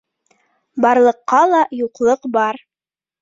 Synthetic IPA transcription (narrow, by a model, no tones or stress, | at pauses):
bɑɾlˠɤ̆qːɑlˠɑjuqlˠɤqbɑɾ